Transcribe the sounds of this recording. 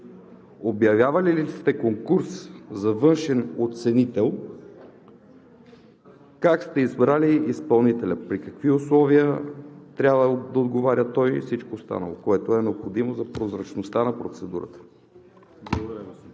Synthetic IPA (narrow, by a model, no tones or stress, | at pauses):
objɐvʲjavɐlilist̪ɛkoŋkuɾszɐvɤnʃɛnot̪sɛnit̪ɛlˠ | kakst̪ɛizbɾaliːspɐlˠnit̪ɛlʲəpɾikɐkviʊslˠɔviət̪ɾʲabvəd̪ɐod̪ɡovaɾʲət̪ɔjfsit͡ʃkost̪a̰nə̰lˠokoɛt̪oɛnɛopxod̪imozɐpɾozɾɐt͡ʃnost̪anɐpɾot̪sɛd̪uɾə̰t̪ə̥ | bˠd̪ɾ